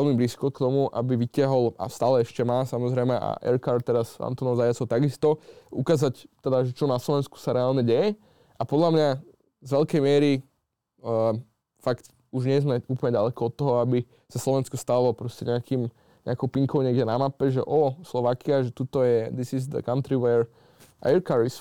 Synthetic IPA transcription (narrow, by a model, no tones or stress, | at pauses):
ɛlmibliskɔkt̪ɔmuʔa̰biʋicɪaɦɔla̰st̪aːlɛɛʃcɛmaːsamɔzɾɛjmɛʔa̰ʔɛ̰ɾkaɾt̪t̪ːɛɾaza̰nt̪ɔnɔʊzajat͡sɔʊt̪aɡist̪ɔukaːzact̪ɛd̪aʒɛt͡ʃɔnaslɔʋɛnsku̥saɾɛaːlɲɛɟɛjɛ | ʔapɔd̪lamɲa | zʋɛʎkɛjmɪɛɾi | fakt̪ | uʒɲɪɛzmɛuːplɲɛɟalɛkɔɔt̪ːɔɦɔabi | saslˠɔʋɛnskɔst̪alɔpɾɔscɛɲɛakiːm | ɲɛ̰akɔʊpiŋkɔʊɲɛɡɟɛnamapɛʒɛ̰ʔɔslɔʋaːkiaʒɛt̪ut̪ɔjɛd̪isizd̪ə̰kant̪ɾiʋɛɾ | a̰ɛɾkaɾis